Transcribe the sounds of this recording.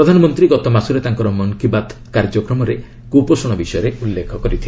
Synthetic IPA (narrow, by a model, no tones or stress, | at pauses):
ɾɔd̪ʱanɔmɔnt̪ɾiɡɔt̪ɔmasuɾet̪aŋkɔɾɔmɔŋkibat̪ | kaɾd͡ʒɔkɾɔmɔɾe | kupɔsɔɽ̃ɔbisɔjɔɾeulːekʰɔkɔɾit̪ʰil